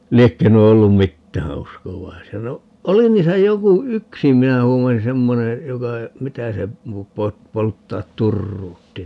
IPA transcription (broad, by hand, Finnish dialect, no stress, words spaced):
liekːø nuo olːum mitːæː uskoʋɑisiɑ no oli niːsæ joku yksi minæ luːlen semːone jokɑ mitæ se po po poltːɑːt turːuːtːi